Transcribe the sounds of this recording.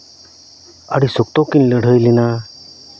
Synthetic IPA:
a̰ɽisuk̚t̪okinləɽ̤ʱəjlina

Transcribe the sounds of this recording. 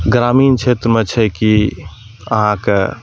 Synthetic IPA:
ɡɾamiːnt͡ʃʰet̪ɾəmet͡ʃʰɛki | ə̰ɦãke

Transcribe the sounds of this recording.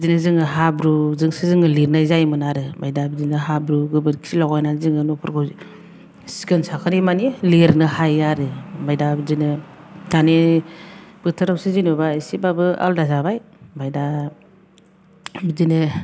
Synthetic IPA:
bizinɯzɯŋɯɦabɾuzɯŋsizɯŋɯliɾnajzajmɯnaɾɯmajdabizinɯɦabɾuɡɯbɯɾkʰi̥silaɡajnazɯŋɯnɔpʰɯɾkʰawzi | si̥kɯnsakʰɯɾimanileɾnɯhajaɾɯmajdabizinɯ | tʰani | b̥ɯtʰɯɾawsizinubaisibabɯa̰ldazabajmajda | bizinɯ

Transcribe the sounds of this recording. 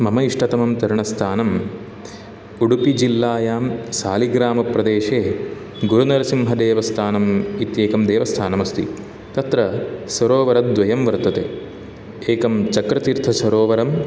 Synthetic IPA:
mɐmɐiʂʈɐt̪ɐmɐmt̪ɐɾuɳɐst̪ʰaːnɐm | uɽupid͡ʒilːaːjaːmsaːliɡɾaːmɐpɾɐd̪eːʂeː | ɡuɾunɐɾɐsimɦɐd̪eːʋɐst̪ʰaːnɐmit̪jeːkɐmd̪eːʋɐst̪ʰaːnɐmɐst̪ʰḭ | t̪ɐt̪ɾɐsɐɾoːʋɐɾɐt̪̚d̪ʋɐjɐmʋɐɾt̪ɐt̪ḛː | eːkɐmt͡ʃɐkɾɐt̪iɾt̪ʰɐsɐɾoːʋɐɾɐm

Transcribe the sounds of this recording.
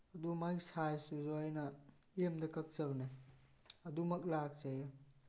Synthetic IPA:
ɐdumajsajsuzojnɐ | emdɐkɐk̚sɐbne | ɐdumɐk̬̚lak̚t͡ʃɐjɐ

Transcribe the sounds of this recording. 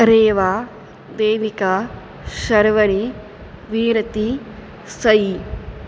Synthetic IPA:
ɾeːʋaː | d̪eːʋika | ʃɐɾʋɐɳi | ʋiːɾɐt̪i | sɐji

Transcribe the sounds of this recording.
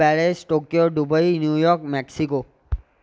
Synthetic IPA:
ɛɭesʈokjoɖubəinjujɔɾkmɛksiko

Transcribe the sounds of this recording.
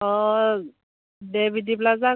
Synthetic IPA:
ɔ | debʱidiplaza

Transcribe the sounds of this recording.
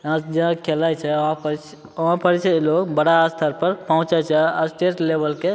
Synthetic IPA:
ãd͡ʒeãkʰelajt͡ʃʰɛɦãə | əɦãpəɾt͡ʃʰɛiloɡbəɽaːst̪ʰəɾpəɾpəɦũt͡ʃat͡ʃʰɛasʈeʈlebəlke

